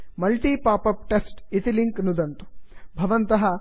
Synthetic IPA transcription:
mɐlʈiːpaːpɐp̚ʈesʈit̪iliŋknud̪ɐnt̪u̥bʱɐʋɐnt̪ɐɦɐ

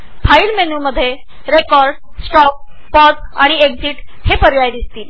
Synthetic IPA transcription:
fʰailmenuːməd̪ʱːje | ɾekɔɾɖ | sʈɔk̚ | pɔsaɽ̃iekd͡ziːʈhepəɾjajd̪ist̪iːl

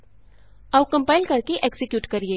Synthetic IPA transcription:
ɐwkɐ̃mpaːɪlkɐɾkeʔeksɪkjuːʈkɐɾieː

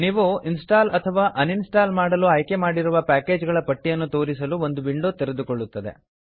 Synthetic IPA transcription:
niːʋuinsʈaːlɐt̪ʰɐʋaːʔɐninsʈaːlmaːɽɐluaːjke̞maːɽiɾuʋɐpaːke̞ːd͡ʒɡɐɭɐpɐʈːijɐnːut̪o̞ːɾisɐluo̞nd̪ubiɳɖoːt̪eɾed̪ukoɭːut̪ːɐd̪e̞̰

